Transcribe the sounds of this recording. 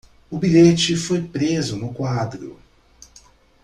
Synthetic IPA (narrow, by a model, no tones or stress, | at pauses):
ʊbiʎet͡ʃɪfojpɾezʊnʊkwad̪ɾʊ̰